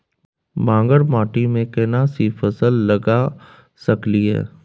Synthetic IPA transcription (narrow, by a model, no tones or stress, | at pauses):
mãːŋɡəɽmaːʈimẽkɛnasifəsəlːɐɡa | sɐkliɦɛ̰ː